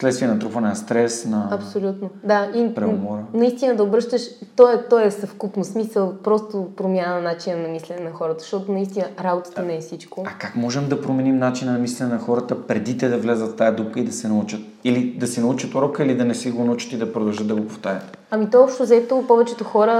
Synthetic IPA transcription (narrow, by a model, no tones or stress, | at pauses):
slɛt̪st̪viɛnɐt̪ɾupvɐnɛnɐst̪ɾɛsnɐɐpsolʲut̪nod̪aipɾɛmɔɾənɐist̪inəd̪ɐobɾɤʃt̪əʃt̪ɔɛt̪ɔɛsɐfkupnosmisəlˠpɾɔst̪opɾomjanənat͡ʃinənɐmislɛnɛnɐxɔɾət̪ə̥ʃt̪ɔt̪onɐist̪inəɾabot̪ə̥t̪ənɛːfsit͡ʃkoakakmɔʒɛmd̪ɐpɾomɛnimnat͡ʃinɐnɐmislɛnɛnɐxɔɾət̪əpɾɛd̪it̪ɛd̪ɐvlʲazət̪ft̪ajɐd̪up̚kəid̪ɐsɛnɐut͡ʃət̪̚ | ilid̪ɐsɛnɐut͡ʃət̪oɾɔkəilid̪ɐnɛsɛɡonɐut͡ʃə̥t̪id̪ɐpɾod̪ɐlˠʒət̪d̪ɐɡopoft̪aɾʲə̰t̪ | ɐmit̪ɔjɔpʃt̪ʊzɛt̪opɔvɛt͡ʃɛt̪ʊxɔɾə